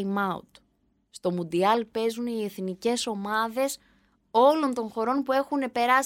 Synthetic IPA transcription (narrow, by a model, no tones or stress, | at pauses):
mɐṵt̪ | st̪o̞mund̪iɐlpe̞zunie̞θnice̞so̞mɐðe̞s | o̞lo̞nt̪o̞ŋxo̞ɾo̞npue̞xune̞pe̞ɾɐs